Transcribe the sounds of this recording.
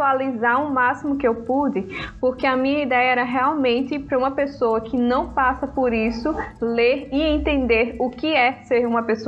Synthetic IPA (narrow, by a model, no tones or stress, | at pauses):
ualizaɾũmasimʊkɪewpud̪ɪpoɾkeɐmĩɲɐid̪ɛjɐɛɾɐɦeawmẽnt̪ɪpɾɐũmɐpesowɐkɪnɐ̃w̃pasɐpoɾisʊleɾɪẽnt̪ẽnd̪eɾʊkɪɛseɾũmɐpeso